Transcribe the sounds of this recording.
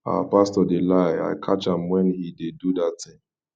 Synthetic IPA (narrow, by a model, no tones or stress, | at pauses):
a̰pastɔdelaɪa̰ɪkʰat͡ʃãmwɛ̃nhidedudattɪ̃ŋ